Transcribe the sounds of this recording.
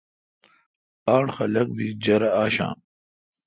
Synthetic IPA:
aːɳxɐlɐk̚bid͡ʑɐɾɐaːɕã̰ː

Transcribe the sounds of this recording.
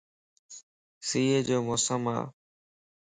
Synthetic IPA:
siːed͡ʑoːmosəma̰ː

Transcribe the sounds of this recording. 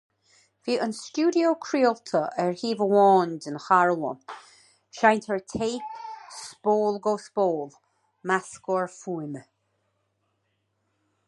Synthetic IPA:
v̥iːʔənst͡ʃuːdioːkʰɹiltʰəʔɛɹhiːvəwɔːndənxaɹlˠə̰ | ʃajnt̪ʰəɹtʰeːpspoːlˠɡoːspoːlˠ | maskɔɹfuːmə

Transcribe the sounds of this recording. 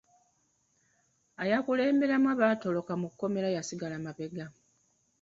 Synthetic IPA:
ajakule̞ːmbe̞ɾamwaβato̞lo̞kamukːo̞me̞ɾajasiɡalamaβe̞ɡa

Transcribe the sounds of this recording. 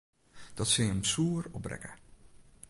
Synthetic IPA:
d̥ɔtsɪjəmsuːrɔbrɛ̰kə

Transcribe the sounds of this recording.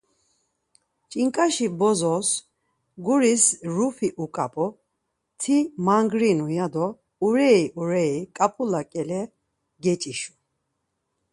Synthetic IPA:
t͡ʃʼiŋkʼaʃibɔzɔs | ɡuɾisɾufʰiʔukʼapʼɔ | t̪ʰimaŋɡɾinujad̪ɔ | uɾɛiʔuɾɛikʼapʼulakʼɛlɛ | ɡɛt͡ʃʼiʃu̥

